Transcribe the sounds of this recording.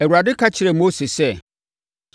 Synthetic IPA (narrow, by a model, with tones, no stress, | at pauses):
ɛ˨wu˨a˨dɪ˦kʰa˦t͡ɕʰɪ˨ɾɛ˨mo˦se˨sɛ˦˨